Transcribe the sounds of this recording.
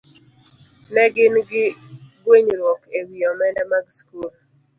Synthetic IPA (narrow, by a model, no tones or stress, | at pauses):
nɛɡɪnɡɪɡweɲɾwɔkewiɔmɛndɛmaɡskul